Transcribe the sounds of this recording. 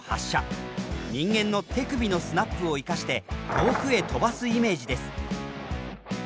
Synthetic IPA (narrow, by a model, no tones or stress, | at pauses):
ha̰ɕːaɲĩŋɡẽ̞nːo̞t̪e̞kɯ̟bʲino̞sɨnapːɯ̟o̞ikaɕi̥t̪e̞t̪ʰo̞ːɸɯ̟e̞t̪o̞basɨime̞ːd͡ʑid̪e̞sɨ̥